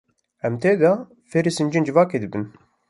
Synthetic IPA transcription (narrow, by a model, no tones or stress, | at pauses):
ɛmt̪ʰeːd̪ɑ | feɾisɨnd͡ʒind͡ʒɨvɑːkeːd̪ɨbɨn